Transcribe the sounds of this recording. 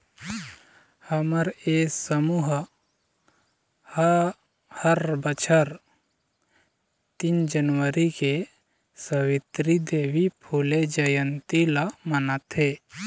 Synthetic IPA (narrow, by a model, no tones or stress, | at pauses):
həməɾeːsəmuɦ | həɾbət͡ʃʰəɾ | t̪ind͡ʒənwəɾike | səwɪt̪ɾid̪eːʋipʰuled͡ʒəjənt̪ilamənət̪ɦeː